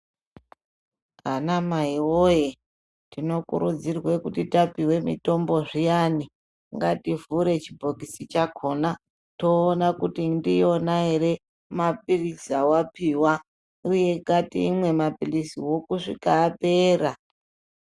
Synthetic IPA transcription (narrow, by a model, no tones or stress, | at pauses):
anamaiwoje | dino̞kṵɾud͡zirwe̞kutitapiwe̞mḭto̞mbo̞ʐijani | ŋɡativuɾe̞t͡ʃibʱokisit͡ʃakʰo̞na | to̞ːnakutindio̞naɦe̞ɾe̞ | map̚ilisawapiwa | uje̞katḭːmwe̞mapilisiwo̞kuʂḭkaːpe̞ːra